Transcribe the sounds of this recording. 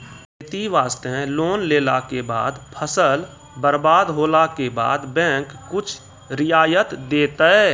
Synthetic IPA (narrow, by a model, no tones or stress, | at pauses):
et̪iʋaːst̪ẽloːnleːlakeba̰ːd̪pʰəsəl | bəɾbaːd̪ɦoːlakeba̰ːd̪bɛ̃ːkːʊt͡ʃʰ | ɾɪjaːjət̪d̪eːt̪ɛ